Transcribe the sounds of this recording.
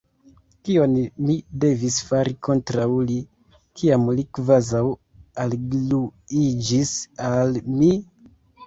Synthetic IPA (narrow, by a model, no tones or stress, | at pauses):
kio̞nmide̞visfaɾiko̞ntɾawli | kʰiamlikvazaw | alɡluid͡ʒisalmi